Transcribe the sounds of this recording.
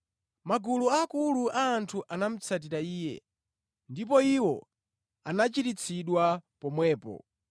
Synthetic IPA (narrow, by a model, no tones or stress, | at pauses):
maɡuluakuluʔaːntʰuʔanam̩t͡sʰat̬iɾaiːjɛ̰ | ndip̬ɔiwɔ | anat͡ʃitit͡sʰiɗwapɔmwɛːpɔ̰